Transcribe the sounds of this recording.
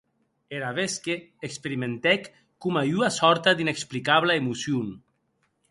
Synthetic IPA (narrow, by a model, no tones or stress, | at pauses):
eɾaβeskeː | kspeɾimẽnt̪ɛkː | umajuasɔɾt̪ad̪ineksplikaβlaemusjun